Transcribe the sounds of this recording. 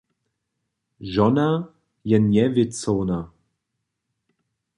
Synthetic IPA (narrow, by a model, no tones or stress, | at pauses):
ʒɔna | jɛnjɛvɪt͡sɔwna